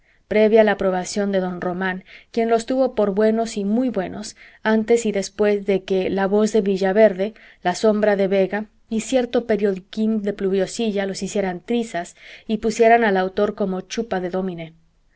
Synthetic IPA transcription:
pɾe̞βjaːlapɾo̞β̞asjo̞nd̪e̞ðo̞nro̞mãŋkje̞nlo̞st̪uβo̞po̞ɾβwe̞no̞simujβwe̞nʔo̞s | ant̪e̞siðe̞spwe̞zðe̞ke̞laβo̞zðe̞βiʝaβe̞ɾðe̞ | laso̞mbɾaðe̞βe̞ɣa | isje̞ɾt̪o̞pe̞ɾjo̞ðikind̪e̞pluβjo̞siʝalo̞sisje̞ɾant̪ɾisasipusje̞ɾanalawt̪o̞ɾko̞mo̞t͡ʃupaðe̞ðo̞mĩne

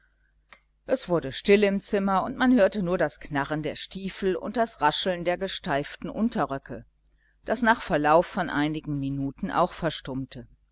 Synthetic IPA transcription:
ʔɛsv̥ʊɐɾəʃtɪlɪmt͡sɪmɐʊntmanhøːɐtənuːɐdasknaʁəndeːɐʃtiːfl̩ʊ̰nt̚d̥asʁaʃl̩ndeːɐɡəʃtaɪftn̩ʔʊntɐʁœkʰə | d̥asnaːχfɛɐlaʊfːɔnʔaɪnɪɡŋ̩minuːtn̩ʔa̰ʊxfɛɐʃtʊmtʰə

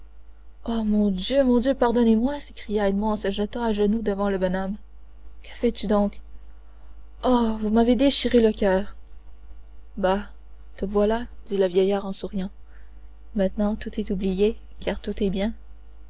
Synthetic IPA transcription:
ɔmɔ̃d̪jømɔ̃d̪jøpaʁd̪ɔnemwasekʁijaɛd̪mɔ̃ɑ̃səʒət̪ɑ̃aʒənud̪əvɑ̃ləbɔnɔm | kə̥fɛt̪yd̪ɔ̃k | ɔvumaved̪eʃiʁeləkʲœːʁ | ba | t̪əvwalad̪̥iləvjɛjaːʁɑ̃suʁijɑ̃ | mɛ̃t̪nɑ̃t̪ut̪ɛt̪ublije | kaʁt̪ut̪ɛbjɛ̃

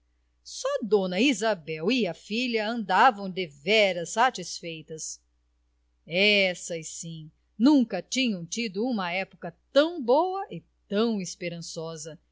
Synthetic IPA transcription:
sɔd̪õnɐizabɛwiɐfiʎɐɐ̃nd̪avɐ̃w̃d̪evɛɾɐsːat͡ʃisfejt̪ɐs | ɛsɐɪsĩ | nũŋkɐt͡ʃĩɲɐ̃w̃t͡ʃid̪ʊũmɐɛpʊ̥kɐt̪ɐ̃w̃bowɐʔɪ | t̪ɐ̃w̃ɪspeɾɐ̃sɔzɐ

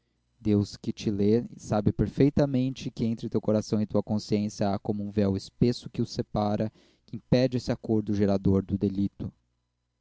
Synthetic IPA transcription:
d̪ewskɪt͡ʃɪlesabɪpeɾfejt̪ɐmẽnt͡ʃɪkɪẽnt̪ɾɪʊt̪ewkoɾasɐ̃w̃ɪt̪uɐkõsiẽsjɐakõmʊũvɛwɪspesʊ̥kɪʊsepaɾɐ | kɪĩpɛd͡ʒɪesɪakoɾd̪ʊʒeɾad̪oɾd̪ʊd̪elit̪ʊ

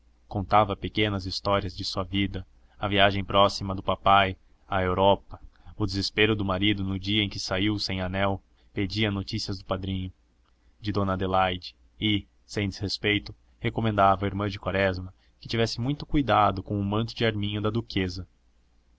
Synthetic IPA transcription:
kõnt̪avɐpekẽnɐzist̪ɔɾiɐzd͡ʒɪsuɐvid̪ɐ | ɐviaʒẽj̃pɾʔɔsimɐd̪ʊpapaj | ɐewɾɔpɐʊd̪ezespeɾʊd̪ʊmaɾid̪ʊnʊd͡ʒiɐẽj̃kɪsaiwsẽj̃anɛw | ped͡ʒiɐnot͡ʃisiɐzd̪ʊpad̪ɾĩɲʊ | d͡ʒɪd̪õnɐd̪elajd͡ʒɪ̥ | ɪ | sẽj̃d̪ɪz̥hespejt̪ʊ | hekomẽnd̪avɐiɾmɐ̃d͡ʒɪkwaɾɛzmɐ | kɪt͡ʃivɛsɪmũj̃t̪ʊkujd̪ad̪ʊkõw̃ʊmɐ̃nt̪ʊd͡ʒɪaɾmĩɲʊd̪ɐd̪ukezɐ

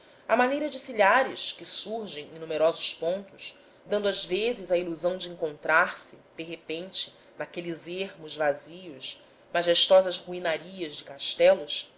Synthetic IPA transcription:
ɐmanejɾɐd͡ʒɪsiʎaɾɪʃkɪsuɾʒẽj̃ẽnũmeɾɔzʊʃpõnt̪ʊʃ | d̪ɐ̃nd̪ʊazvezɪzɐiluzɐ̃w̃d͡ʒɪẽŋkõnt̪ɾaɾsɪd̪̥eɦepẽnt͡ʃɪ̥ | nakelɪzeɦmʊzvazijʊs | maʒeʃt̪ɔzɐzhuinaɾiɐzd͡ʒɪkaʃt̪ɛlʊs

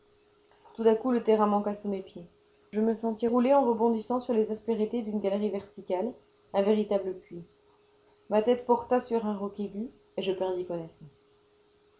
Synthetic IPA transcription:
t̪ut̪akulət̪eʁɛ̃mɑ̃kasumepje | ʒəməsɑ̃t̪iʁuleɑ̃ʁəbɔ̃d̪isɑ̃syʁlezaspeʁit̪ed̪ynɡʲalʁivɛʁt̪ikal | ɛ̃veʁit̪abləpɥi | mat̪ɛt̪pɔʁt̪asyʁɛ̃ʁɔkeɡʲy | eʒəpɛʁd̪ikɔnesɑ̃s

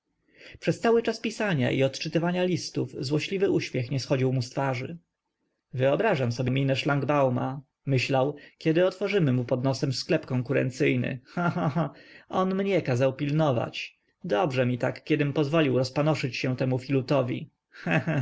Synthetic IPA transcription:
pʂɛst̪sawɘt͡ʂaspʲisaɲa̰ʔḭɔt̪t͡ʂɘt̪ɘvaɲalʲist̪uvzwɔɕlʲivɘʔuɕmʲjɛxɲɛsxɔd͡ʑiwmust̪faʐɘ̰ | vɘɔbɾaʐamsɔbʲjemʲinɛʂlaŋɡbawma̰ | mɘɕlawkʲɛd̪ɘɔt̪fɔʐɘmɘmupɔd̪nɔsɛmsklɛpkɔŋkuɾɛ̰nt̪sɘjnɘ̰xãxããɔnmɲɛkazawpʲilnɔva̰t͡ɕ | d̪ɔbʐɛmʲit̪akːʲjɛd̪ɘmpɔzvɔlʲiwɾɔspanɔʂɘt͡ɕɕɛ̃t̪ɛmufʲilut̪ɔvʲḭ | xɛ̃

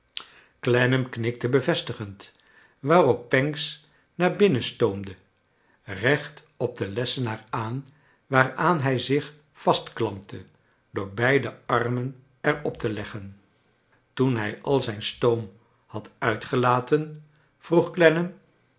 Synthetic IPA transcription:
klɛnəmknɪk̚təbəvɛstəχənt | ʋaːrɔpːɛŋks | naːɹbɪnəstowmdə | rɛχt | ɔb̚d̪əlɛsənaːraːn | ʋaːraːnɦɛjzɪχ | fɑstklɑmp̚tʰə | d̥ʊːɹbɛjdəɑɹmən | ɛɹɔp̚təlɛχən | tunɦɛjʔɑlˠzɛjnstowm | hɑtœɥtχəlaːtən | v̥ruχklɛnəm

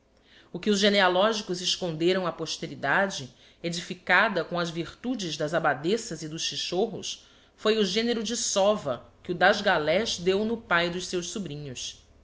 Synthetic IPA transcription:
ʊkɪʊzʒenealɔʒikʊzɪʃkõnd̪eɾɐ̃w̃ɐpoʃt̪eɾid̪ad͡ʒɪ | ed͡ʒifikad̪ɐkõɐzviɾt̪ud͡ʒɪzd̪ɐzabad̪esɐzɪd̪ʊʃt͡ʃiʃoɦʊ̰s | fojʊʒẽneɾʊd͡ʒɪsɔvɐkɪʊd̪aʒɡalɛʃd̪ewnʊpajd̪ʊʃsewʃsubɾĩɲʊs

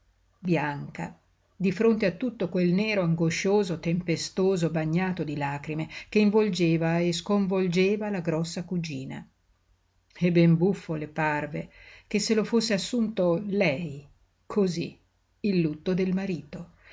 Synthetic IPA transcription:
bjaŋka̰ | d̪ifɾont̪eat̪ːut̪ːokwelnɛːɾoaŋɡoʃoːzot̪empest̪oːzobaɲːaːt̪od̪ilaːkɾimek̟eiɱvold͡ʒeːvaeskoɱvold͡ʒeːvalaɡɾɔsːakud͡ʒiːna̰ | ebːɛmbufːoleparvek̟esːelofosːeasːunt̪olɛj | kʰoziː | lːut̪ːod̪elmaɾiːt̪o

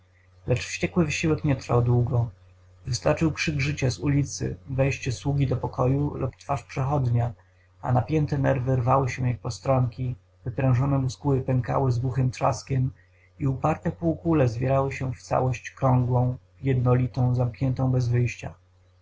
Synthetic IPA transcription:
lɛt͡ʂfɕt͡ɕɛkwɘvɘɕiwɛkɲɛt̪ɾfa̰wd̪wuɡɔ | vɘst̪aɾt͡ʂɘwkʂɘɡʐɘt͡ɕazulʲit̪sɘ̰vɛjɕt͡ɕɛswuɡʲid̪ɔpɔkʰɔjulupt̪faʂpʂɛxɔd̪ɲa | a̰napʲjɛnt̪ɛnɛɾvɘɾvawɘɕɛjak̚pɔst̪ɾɔŋkʲi | vɘpɾɛ̃w̃ʐɔnɛmuskuɘpɛŋka̰wɘzɡwuxɘmt̪ʂa̰skʲɛm | iupaɾt̪ɛpuːkulɛzvʲjɛɾawɘɕɛft̪sa̰wɔɕt͡ɕkɾɔ̃ŋɡwɔ̃w̃ | jɛd̪nɔlʲit̪ɔ̃w̃zamkɲɛnt̪ɔ̃w̃bɛzvɘjɕt͡ɕa̰

